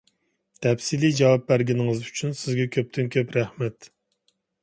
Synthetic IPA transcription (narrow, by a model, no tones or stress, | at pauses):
t̪ʰɛpsilid͡ʒɑwɑp̚bæɾɡʲinɪŋɨzyt͡ʃʰynsɪzɡʲɛkʲʰøp̚t̪ʰɪnkʲʰøpɾæhmɛt̪